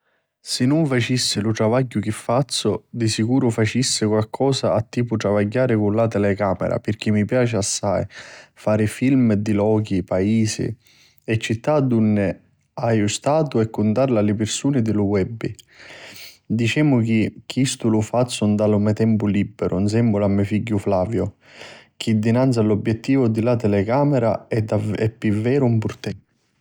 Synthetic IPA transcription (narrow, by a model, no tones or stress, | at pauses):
sɪnːʊɱfat͡ʃisːɪlʊt̪ɾavaɟːʊk̟ɪfːat̪sːʊd̪isikuːɾʊfat͡ʃisːɪkwalkʰɔːsaːt̪ːiːpʊt̪ɾavaɟːaːɾɪkʊnlat̪ɛlɛkaːmɛ̰ɾa̰pɪrk̟imːipjaːt͡ʃɪasːajfaːɾɪfilmd̪ilɔːk̟ipaiːsɪ̰ | ɛt͡ʃːit̪ːad̪unːɪ | ajust̪aːt̪uɛkːʊnt̪arlalɪpɪrsuːnɪd̪ɪlʊwɛbːi | d̪it͡ʃɛːmʊk̟ik̟ːist̪ulʊfat̪sːʊnd̪alʊmɛt̪ɛmpʊlibːɛɾʔʊns̬ɛmbʊlamːɛfiɟːʊflaːvjʊ | k̟id̪ːinant̪sjalɔbːjɛt̪ːiːvʊd̪ilat̪ɛlɛkaːmɛɾa̰aɛpːivːɛːɾʊmpʊɾt̪ɛ